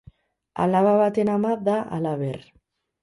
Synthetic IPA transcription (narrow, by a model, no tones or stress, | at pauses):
a̰laβaβat̪enamaðaʔa̰laβer